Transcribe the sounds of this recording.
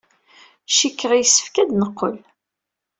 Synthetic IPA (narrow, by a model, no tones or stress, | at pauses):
ʃikːəʁijsːə̥fkæd̪nəqːə̰l